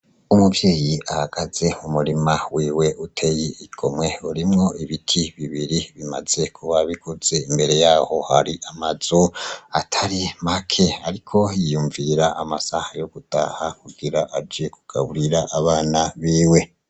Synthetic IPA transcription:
umuvje̞ːjiahaɡ̥az̥e̞umuɾimawiːwe̞utʰe̞jiiɡ̥ʰo̞mŋe̞uɾimŋo̞iβitʰiβiβiɾiβima̰z̥e̞kʰuβaβikʰoz̥e̞imbe̞ɾe̞jaːho̞haɾiʔamaz̥oatʰaɾimakʰe̞aɾikʰo̞ijuɱviɾaʔamasahajoɡ̥uta̰hakuɡ̥iɾaʔad͡ʒiekuɡ̥aβuɾiɾaʔaβaːnaβiːwe̞

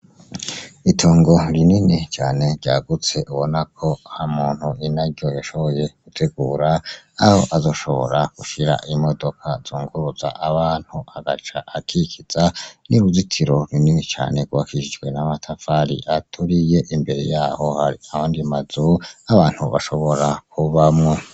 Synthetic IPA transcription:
itʰoːŋɡo̞ɾininit͡ʃaːne̞ɾɟaːɡut͡se̞ʔuβo̞nakʰo̞hamuːn̥huinaɾɟo̞joʃo̞βo̞je̞ɡ̥utʰeɡuːɾaaho̞ʔazo̞ʃo̞βo̞̰ɾakuʃiɾa̰ʔimo̞do̞kʰazuːŋɡuɾuza̰ʔaβaːn̥huaɡat͡ʃaʔːkʰikʰiz̥aniɾuzitʰiɾo̞ɾininit͡ʃa̰ːne̞ɡuakʰiʃid͡ʒɡwe̞namatʰafaɾḭʔatʰuɾije̞ʔimbe̞ɾe̞̰jaːho̞haiahaːndimazuaβaːn̥hṵβa̰ʃo̞βo̞ɾak̚ʰuβamŋo

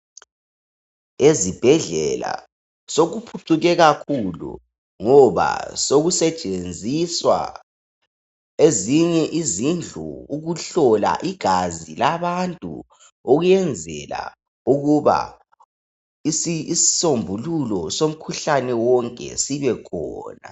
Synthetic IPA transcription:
ezib̥ʱɛɮɛla̰ | soɣupʰuǀuɣɛɣakʰulṵ | ŋɔβa̰soɣusɛt͡ʃʼend͡zʱiswa̰ | eziɲɛʔizind͡ɮʱṵuɣuɬɔla̰ʔiɡ̥ʱazilaβantʼṵ | oɣujɛnd͡zʱɛla̰ | uɣuβa̰ | isisi̥sombʱululɔsom̩kʰuɬanɛwɔŋkʼɛ̰siβɛkʰɔ̰ːna̰

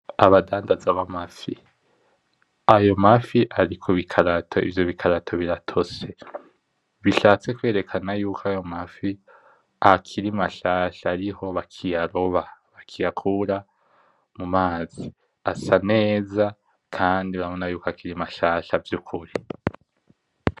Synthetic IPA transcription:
aβadaːndazaβamafi | ajo̞mafiʔaɾikʰoβikʰaɾatʰo̞ḭvjo̞βikʰaɾatʰo̞βiɾatʰo̞se̞ | βiʃaːt͡se̞kwe̞ːɾe̞kʰanajuːkʰoajo̞mafi | akʰiɾimaʃaːʃaːɾiho̞βakʰijaɾo̞βaβakʰijakʰuːɾa | mumaːzi | asane̞ːza | kʰaːndiaaβonajuːkoakiɾimaʃaːʃavjukʰuɾi

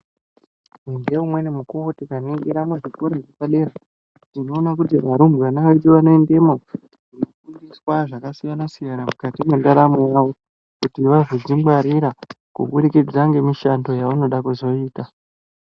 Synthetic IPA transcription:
endeumwe̞nemukuotikanoɡiɾamweʐikoɾaʐekaleɾa | tino̞ːnakut̬iʋaɾumbwanaʋeɗiʋano̞ende̞mo | uno̞fundiswaʐakasijanasijanamukatimwendaɾamojaʋo̞ | kutiʋazod͡zimwaɾiɾa | kṵɓuɗikid͡zaŋɡe̞miʃando̞jauno̞ɗakuzo̞iːta

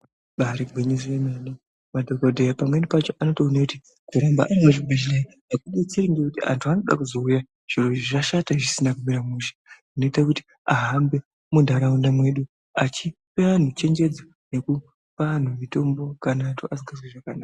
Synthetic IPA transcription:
ɓaɾeɡʱwiɲisienani | madʱokodʱejapamwe̞nipat͡ʃo̞ʔano̞tounekuti | kuɾamba̰ʔameʐiɡʱiʒainakuɗet͡siɾiŋɡekutia̰ntʰuano̞ɗa̰kuzo̞uja | ʐ̥iroʐiʐaʃataʐisinakumiɾamuʃḁ | ino̞itakuti̥ | aɦambe̞ | mundʱaɾaundamwe̞ɗu | at͡ʃipean̤ut͡ʃe̞ŋɡe̞d͡zo | ne̞ku | pan̤umito̞mbo̞kanatuʔasiŋɡazweʐakanaːka

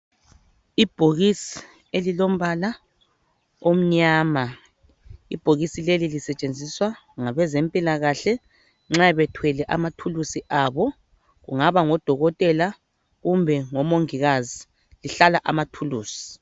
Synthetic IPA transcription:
ib̥ʱoɣisi̥ | elilom̩βala | om̩ɲaːma | ḭb̥ʱoɣisilelilisɛt͡ʃʼend͡zʱiswa | ŋaβɛzempʼilaɣaɬɛ | ŋ͡ǁaβɛtʰwɛlɛʔamatʰulusiʔaβɔ | ɣṵŋaβaŋɔd̥ʱɔɣɔtʼɛla | ɣumbʱɛŋɔmoŋiɣazi | liɬalaʔamatʰuluːsi̥

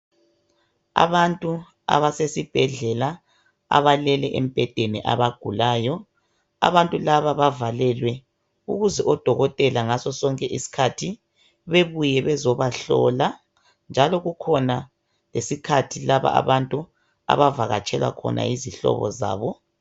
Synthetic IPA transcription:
a̰βantʼu | a̰βasesib̥ʱɛɮɛla | a̰βalɛlɛʔem̩b̥ʱɛd̥ʱeniʔa̰βaɡ̥ʱulaːjɔ | a̰βantʼulaβaβavalɛlwɛ | uɣuzɛʔɔd̥ʱɔɣɔtʼɛlaŋasɔsɔŋkʼɛʔisi̥kʰatʰi | βeβujɛβɛzɔβaɬɔ̰la | nd͡ʒʱalɔɣukʰɔna | lesikʰatʰilaβa̰ʔa̰βantʼu | a̰βavaɣa̰t͡ʃʰʼɛlwa̰kʰɔ̰nʔa̰iziɬɔ̰βɔ̰za̰ːβɔ

